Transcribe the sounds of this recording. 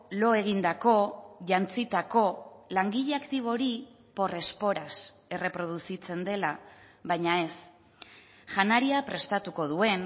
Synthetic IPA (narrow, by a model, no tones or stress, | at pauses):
lo̞e̞ɣ̞ind̪ako̞ʝant͡sit̪ako̞laŋɡiʎeakt̪iβ̞o̞ɾi | po̞re̞spo̞ɾas | e̞re̞pɾo̞ð̞usit͡se̞nd̪e̞la | βajɲae̞s | ʝanaɾiapɾe̞st̪at̪uko̞ðue̞n